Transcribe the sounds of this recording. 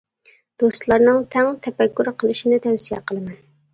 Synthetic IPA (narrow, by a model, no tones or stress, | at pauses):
d̪̥ost̪lˠɑɾnɨŋt̪ʰæŋt̪ʰɛpɛkʲʰːuɾqʰəlˠɨʃinɪt̪ʰɛwsijɛqʰəlˠɨmɛn